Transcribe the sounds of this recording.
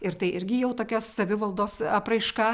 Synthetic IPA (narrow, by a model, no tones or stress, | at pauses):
ɪɾt̪ɐɪʔɪɾʲɡʲɪjɛʊt̪oːkʲoːssɐʋʲɪʋɐlˠd̪oːsɐpɾɐɪʃkɑː